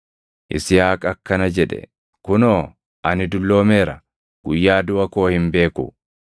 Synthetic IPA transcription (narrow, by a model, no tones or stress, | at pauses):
ʔɪ̰sɪjaːkʼɐkːɐnɐd͡ʒɛᶑɛ̰ | kʊnoː | ʔɐnɪd̪ʊlːo̞ːmeːɾɐ | ɡ̥ʊjːaːd̪ʊʔɐko̞ːhɪmbe̞ːkʊ̰